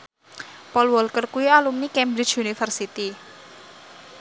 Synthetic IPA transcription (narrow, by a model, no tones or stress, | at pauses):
pɔlwɔlkərkuialumnikɛmbɾi̥t͡ʃunifərsit̪i